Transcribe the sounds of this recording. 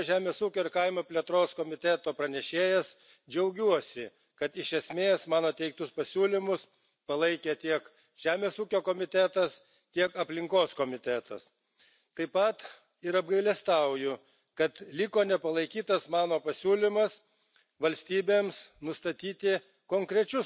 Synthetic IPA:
ʒʲæːmʲeːsuːkʲoːɪɾkɐɪmɐpʲlʲiɛt̪ɾoːskoːmʲɪt̪ʲæt̪oːpɾɐnʲɛʃʲeːjɛs | d͡ʒʲɛʊɡʲuɔsʲɪ | kɐt̪ɪʃʲɛsʲmʲeːsmɑːnoːt̪ʲɛɪk̚t̪ʊspɐsʲuːlʲɪmʊs | pɐlˠɐɪkʲeːt̪ʲiɛk | ʒ̥ʲæːmʲeːsuːkʲoːkoːmʲɪt̪ʲæt̪ɐs | t̪ʲiɛkɐpʲlʲɪŋkoːskoːmʲɪt̪ʲæt̪ɐ̰s | t̪ɐɪpɐt̪ | ɪɾɐb̚ɡɐɪlʲɛst̪ɐʊjʊ | kɐt̪lʲɪkoːnʲɛpɐlˠɐɪkʲiːt̪ɐsmɑːnoːpɐsʲuːlʲɪmɐs | ʋɐlʲsʲt̪ʲiːbʲeːmsnʊst̪ɐt̪ʲiːt̪ʲɪ | koːŋkɾʲɛt͡ʃʲʊ

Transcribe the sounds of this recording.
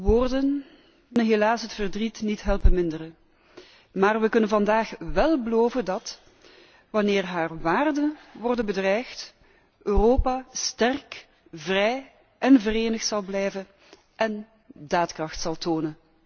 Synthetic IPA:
ʋoːrdən | ɦelaːsɦətfərdritnitɦɛlˠpənmɪndərə | maːrʋəkɵnənvɑndaːxʋɛlˠbəloːvəndɑt | ʋɑnɪːrɦaːrʋaːrdənʋɔrdənbədrɛjxt | ʔøːroːpaːstɛrk | vrɛj | ʔɛnvəreːnəxtsɑlˠblɛjvən | ʔɛn | daːtkrɑxtsɑlˠtoːnən

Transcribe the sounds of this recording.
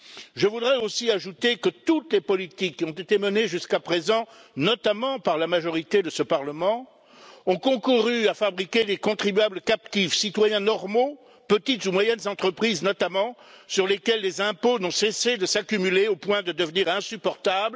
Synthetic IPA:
ʒəvud̪ʁɛosiaʒut̪ekət̪ut̪lepɔlit̪ikːiɔ̃t̪et̪eməneʒyskapχezɑ̃nɔt̪amɑ̃paʁlamaʒɔʁit̪ed̪əsəpaʁləmɑ̃ | ɔ̃kɔ̃kuʁyafabʁikʲelekɔ̃t̪χibɥabləkap̚t̪ifsit̪wajɛ̃nɔʁmo | pət̪it̪zumwajɛnzɑ̃t̪χəpχiznɔt̪amɑ̃syʁlekʲɛlːezɛ̃ponɔ̃sesed̪əsakʲymyleopwɛ̃d̪əd̪əvniʁɛ̃sypɔʁt̪abl

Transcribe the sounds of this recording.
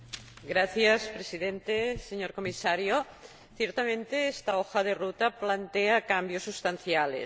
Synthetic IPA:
ɡɾaθjaspɾesiðent̪eseɲoɾkomisaɾjo | θjeɾt̪amẽnt̪eest̪aoxaðerut̪aplant̪eakambjosːust̪an̟θjalḛs

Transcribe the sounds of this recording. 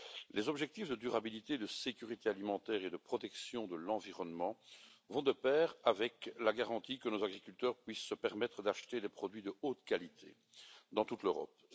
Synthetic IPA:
lezɔbʒɛk̚t̪ifd̪əd̪yʁabilit̪ed̪əsekʲyʁit̪ealimɑ̃t̪ɛːʁed̪əpχɔt̪ɛksjɔ̃d̪əlɑ̃viʁɔnmɑ̃vɔ̃d̪əpɛːʁavɛklaɡaʁɑ̃t̪ikənozaɡʁikʲylt̪œːʁpɥisːəpɛʁmɛt̪χəd̪aʃt̪ed̪ɛpχɔd̪ɥid̪əot̪kalit̪ʰḛ | d̪ɑ̃t̪ut̪løʁɔ̰p

